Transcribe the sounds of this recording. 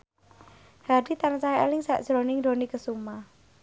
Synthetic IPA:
hadit̪anat͡ʃaaḛlɪŋsaʔʒ̥ɾonɪŋdonikəsuma

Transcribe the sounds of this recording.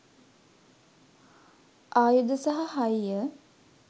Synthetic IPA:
ʔaːjud̪əsaɦɐhɐjjə

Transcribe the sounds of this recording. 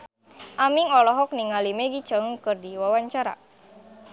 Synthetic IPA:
ʔamiŋɔlɔɦɔk̚niŋalimeɡit͡ʃaŋəŋkɨrdiwawaɲt͡ʃaɾa̰

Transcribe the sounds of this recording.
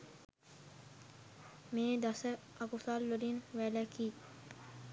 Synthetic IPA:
mẽːd̪ɐsə | ɐkusaːlːoɾinʋɛːlɛkiː

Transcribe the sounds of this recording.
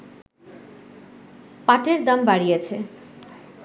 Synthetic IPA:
paʈeɾd̪ambaɽijet͡ɕʰe

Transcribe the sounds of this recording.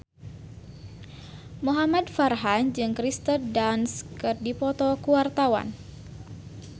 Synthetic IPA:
muɦamad̪̚farɦand͡ʒɨŋkɾist̪ərdanskɨrdipɔt̪ɔkuwart̪awa̰n

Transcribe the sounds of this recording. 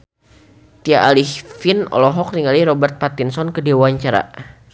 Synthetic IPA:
t̪iaʔalihfinɔ̰lɔɦɔk̚niŋaliɾɔbɛrt̪̚pat̪insɔnkədewaɲt͡ʃaɾa̰

